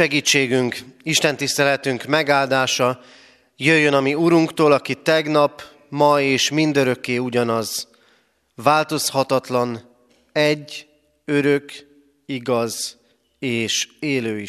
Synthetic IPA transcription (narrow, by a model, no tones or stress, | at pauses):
ɛɡiːt͡ʃːeːɡyŋkiʃt̪ɛn̪t̪ist̪ɛlɛt̪yŋkmɛɡaːld̪aːʃɒ | jøjːønɒmiuɾuŋkt̪oːlɒkit̪ɛɡnɒp | mɒeːʃmind̪ø̞ɾø̞kːeːuɟɒnɒz | ʋaːlt̪o̞shɒt̪ɒt̪lɒn | ɛɟː | øɾø̞k | iɡɒz | eːʃeːløːi